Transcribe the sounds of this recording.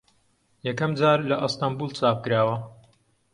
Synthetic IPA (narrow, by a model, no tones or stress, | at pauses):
jɛkɐmd͡zaːɾlɐʔɨst̪ambuːlt͡saːp̚kɨɾaːwɐ